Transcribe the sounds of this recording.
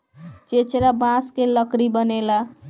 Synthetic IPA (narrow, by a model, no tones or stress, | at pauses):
t͡ʃet͡ʃeɾabãskelʌkɽibənela